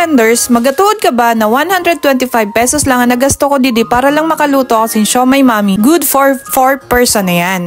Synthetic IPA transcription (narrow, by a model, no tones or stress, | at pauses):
ɛnd̪ɛɹsmɐɡ̚kɐt̪ʊʔod̪̚kɐbanɐwanhand̪ɾɛd̪̚wɛnt̪ɪfajb̚pɛsɔslɐŋɐnɐɡɐst̪okod̪ɪd̪ɪpaːɾɐlɐŋmɐkɐluːt̪okɐsɪnʃomɐjmaːmiɡud̪foɹfoɹpɛɹsɔnɐjan